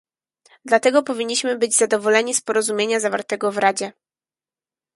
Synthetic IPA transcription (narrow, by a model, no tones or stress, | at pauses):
d̪lat̪ɛɡɔpɔvʲiɲːiɕmɘbɘd͡ʑzad̪ɔvɔlɛɲispɔɾɔzumʲjeɲazavaɾt̪ɛɡɔvɾad͡ʑɛ